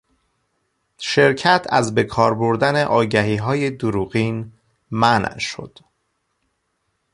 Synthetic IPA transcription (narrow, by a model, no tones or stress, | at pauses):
ʃe̞ɾcʰæt̪ʰæ̰zbe̞kʰɒːɾboɾd̪æne̞ʔɒːɟæɦiːɦɒːje̞d̪oɾuːɣiːn | mænʃo̞̰d̪̥